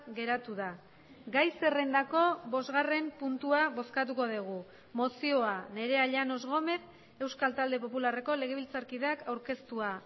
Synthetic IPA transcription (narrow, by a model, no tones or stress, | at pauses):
ɣe̞ɾat̪uða | ɡajse̞re̞nd̪ako̞βo̞zɣare̞mpunt̪uaβo̞skat̪̬uko̞ð̞iɣ̞u | mo̞sio̞ane̞ɾe̞aʎano̞zɣo̞me̞θ | e̞wskalt̪ald̪e̞p̬o̞pulare̞ko̞le̞ɣ̞e̞βilt͡saɾkið̞eakawɾke̞st̪ua